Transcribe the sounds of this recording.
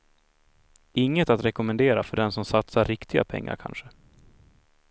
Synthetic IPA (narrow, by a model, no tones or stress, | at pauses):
ʔɪŋːət̪at̪ɾɛkʊmɛnd̪eːɾafœɖɛnsɔmsat̪saɾːɪkt̪ɪɡa̰pʰɛ̰ŋːa̰ɾkʰa̰nʂə